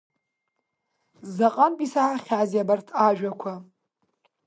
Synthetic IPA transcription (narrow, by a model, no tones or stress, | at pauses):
zaqʼanpʼisaʕaχʲazjabartʰaʒᶣakʷʰa